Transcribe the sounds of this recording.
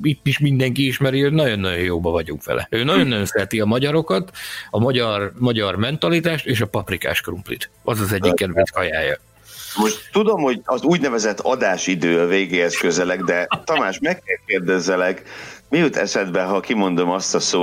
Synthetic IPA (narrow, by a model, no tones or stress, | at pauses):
it̪ːiʃmind̪ɛŋkiiʃmɛɾio̞ɟnɒɟo̞nːɒjo̞joːbɒvɒɟuŋkʋɛ̰lʔɛ̰øːnɒjo̞nːøjonsɛɛt̪iɒmɒɟɒɾo̞kɒt̪ɒmɒɟɒrmɒɟɒrmɛnt̪ɒlit̪aːʃt̪eːʃɒpɒprika̰ːʃkrumplḭt̪ɒzɒzɛɟːikːɛd̪vɛsɒjaːjɒ̰ | mo̞ʃt̪t̪ud̪o̞mho̞ɟɒzuːɟnɛvɛzɛt̪ːɒd̪aːʃid̪øːɒveːɡeːhɛskøzɛlɛɡd̪ɛt̪ɒmaːʃmɛkːɛlkeːrd̪ɛzːɛlɛkmijut̪ʰɛ̰sɛd̪bɛɦɒkimo̞nd̪o̞mɒst̪ɒsoː